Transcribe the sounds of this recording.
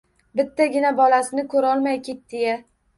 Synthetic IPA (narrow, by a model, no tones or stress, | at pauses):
bɪt̪ːaɡʲɪnabɒlasɪnɪkʰɵɾɒlˠmajkʲet̪̚d̪̥eja